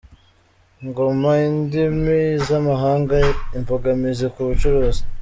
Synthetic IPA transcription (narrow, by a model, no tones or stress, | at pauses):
ŋɡomaindimizamaɦaːŋɡaimpoɡamizekuβut͡ʃuɾoːzi̥